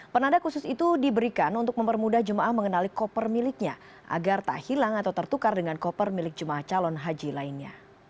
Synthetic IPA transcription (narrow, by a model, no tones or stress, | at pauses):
pənadakusʊsit̪udibəɾikanunt̪ʊk̚məmpərmudahd͡ʒəmaʔahməŋənalikɔpərmilɪk̚ɲa | ʔa̰ɡart̪a̰hilaŋat̪awt̪ərt̪ukardəŋankɔpərmilɪk̚d͡ʒəmaaht͡ʃalɔnɦad͡ʒilainɲa̰